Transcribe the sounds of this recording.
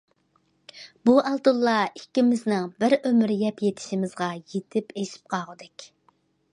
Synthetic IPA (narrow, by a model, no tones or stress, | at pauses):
buʔɑlˠt̪ulˠːɑikʲːimɪznɪŋbɪɾømɾjɛpjet̪ʰɪ̥ʃimɪzʁɑjet̪ʰɪpeʃi̥p̚qʰɑʁəd̪ɛkʲ